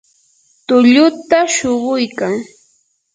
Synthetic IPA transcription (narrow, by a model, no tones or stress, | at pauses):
t̪ʊʎʊt̪aʃoɢʊjkaŋ